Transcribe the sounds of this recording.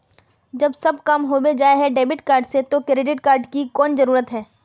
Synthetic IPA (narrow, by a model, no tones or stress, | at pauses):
d͡ʒɐbsɐbkɐmɦobed͡ʒaːeɦɛɖeːbɪʈkaːɾɖset̪okɾeːɖɪʈkaːɾɖkikɔːnzɐɾuːɾət̪ɦɛː